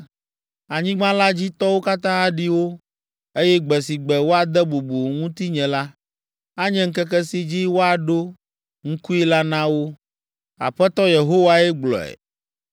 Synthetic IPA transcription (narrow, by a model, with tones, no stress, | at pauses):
a˨ɲĩ˦ɡ͡bã˦la˦d͡ʑi˦t̪ɔ˦wo˦ka˦t̪ã˦a˦ɖi˦wo˦ | e˦jɛ˦ɡ͡bɛ˨si˨ɡ͡bɛ˨wo˦a˨d̪ɛ˦bu˨bu˨ŋũ˦t̪i˦ɲɛ̃˨la˦ | a˦ɲɛ̃˦ŋ̩˦kɛ˦kɛ˦si˦d͡ʑi˦wo˦a˨ɖo˦ | ŋ̩˦ku˦i˦la˦nã˦wo˦ | a̰˨ɸɛ˦t̪ɔ˦je˨ɦo˦wa˦ɛ˦ɡ͡blɔ̰˨ɛ̰˨